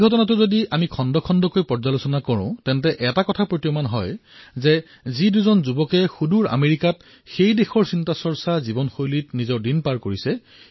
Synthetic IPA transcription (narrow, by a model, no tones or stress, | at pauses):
ɡʱɔtɔnat̬ʊzodiamikʰɔndɔkʰɔndɔkojpɔɹzalosɔnakɔɹʊ̃tɛntɛʔɛtakɔtʰapɹotijɔmanɦɔjzɛ | ziduzɔnzubɔkɛxuduɹa̰meɹikat̚ | xejdexɔɹsintasɔɹsazibɔnxojlit̚nizɔɹdinpaɹkoɹisɛ